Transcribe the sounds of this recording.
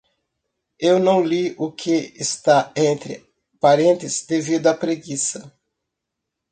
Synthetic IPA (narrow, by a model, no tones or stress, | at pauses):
ewnɐ̃w̃liʊkʰɪːst̪aẽnt̪ɾɪ̰ | paɾẽnt̪ɪzd̪evid̪ʊɐpɾeɡisɐ